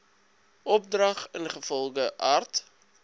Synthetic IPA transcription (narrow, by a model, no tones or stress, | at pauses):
ʔɔp̚drɐχənχəfɔlˠɡəʔart